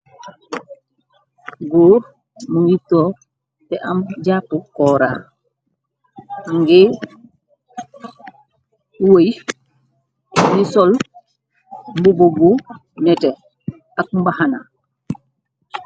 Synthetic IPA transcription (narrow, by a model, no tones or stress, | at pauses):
ɡoːɾ | muwitːɔ | tɛʔamɟaːpːukɔːɾa̰ːɾ | ŋɡe | woj | jisɔl | mbubobu | nɛtɛ | ak̚mbahana̰